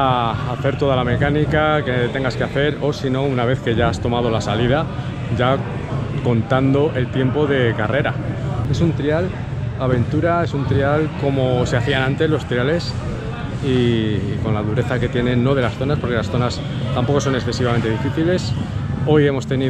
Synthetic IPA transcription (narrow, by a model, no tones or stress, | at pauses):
aaθe̞ɾt̪o̞ðalame̞kanikaket̪e̞ŋɡaskeaθe̞ɾo̞sino̞unaβ̞e̞θke̞ʝaast̪o̞mað̞o̞lasalið̞a | ʝa | ko̞nt̪and̪o̞ʔe̞lt̪je̞mpo̞ðe̞kare̞ɾae̞sunt̪ɾial | aβe̞nt̪uɾae̞sunt̪ɾialko̞mo̞seaθianãnt̪e̞zlo̞st̪ɾiale̞s | iko̞nlaðuɾe̞θake̞t̪je̞nẽ̞nːo̞ð̞e̞lasθo̞naspo̞ɾke̞lasθo̞nas | t̪ampo̞ko̞so̞ne̞ksθe̞siβame̞nt̪e̞ð̞ifiθile̞so̞je̞mo̞st̪e̞ni